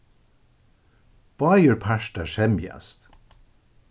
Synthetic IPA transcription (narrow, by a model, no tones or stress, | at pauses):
b̥ɑɪəɹpʰæʃtəʃɛmj̰ɑ̰st̪